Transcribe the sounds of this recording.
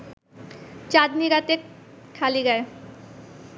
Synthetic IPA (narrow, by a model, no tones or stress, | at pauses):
t͡ɕad̪miɡat̪ekʰaliɡɛe